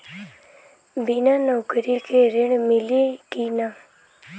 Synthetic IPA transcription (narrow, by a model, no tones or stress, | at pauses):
binãnəkəɾikeɾɪɳmɪlikina